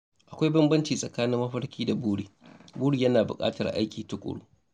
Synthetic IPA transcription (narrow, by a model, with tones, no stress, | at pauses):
ʔa˨kʷa˦jbɐ˦mbɐ˦nt͡ʃiː˨sʼɐ˨kaː˦nɪ˦mːɐ˦ɸɐ˦rkʲiː˦da˨buː˦ɽiː˨buː˦ɽiː˨jɐ˦naː˨bʊ̰˨kʼa̰ː˦tɐ˨rʔa̰˦jkʲiː˨tʊ˦kʷʼʊ̰˨ɽṵː˦